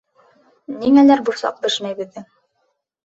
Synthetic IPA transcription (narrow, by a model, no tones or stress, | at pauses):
niŋælæɾbusɑ̰q̚b̪ɘ̆ʃmæjbɘ̆ðːɘ